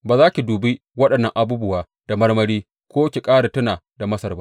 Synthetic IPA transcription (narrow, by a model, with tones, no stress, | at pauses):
baː˨zaː˦kʲi˨duː˨bi˦ | wɐ˦ɗɐ˨nːɐ˦ŋʔa˨buː˦bʊ˦waː˨ | d̥a˨mɐ˦rmɐ˦ɽiː˦ | kʷoː˦kʲi˨kʼaː˦ɽa˨tʊ˦naː˨da˨mɐ˦sɐ˨rba˦ʔ